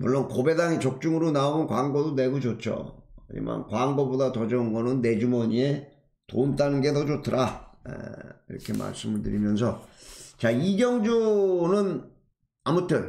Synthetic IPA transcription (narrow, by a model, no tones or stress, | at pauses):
mṵɭːonkobe̞daŋit͡ɕʌk̚t͡ɕ͈uŋɯɾonaonɯnkwaŋɡodone̞ɡud͡ʑot͡ɕ͈o̰kɯɲḭma̰nkwaŋɡobodatʌd͡ʑʌɯnɡʌnɯnːe̞d͡ʑumʌɲie | toumt͈anɯnɡe̞tʌd͡ʑotʰɯɾaḛiɾʌ̰kʰe̞ma̰ɭs͈ɯmɯɭtɯɾimjʌnsʰʌt͡ɕaiɡjʌŋd͡ʑunɯn | amutʰɯn